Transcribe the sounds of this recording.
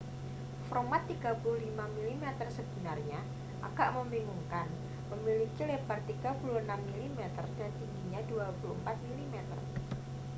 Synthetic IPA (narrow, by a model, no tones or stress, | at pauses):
fɾomat̪ːiɡ̥apuluhlimamilimɛt̪ərsəbənarɲa | ʔa̰ɡ̥aʔməmbiŋuŋkan | məmilikilebart̪iɡ̥apuluhənamːilimɛt̪ərdant̪iŋɡiɲaduapulumpat̪̚milimɛt̪ə̰r